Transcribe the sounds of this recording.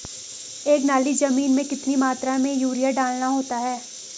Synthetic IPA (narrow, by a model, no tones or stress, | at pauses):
eːknaːlizɐmiːnmẽkɪt̪nimaːt̪ɾamẽjuːɾijaɖaːlnaɦoːt̪aɦɛː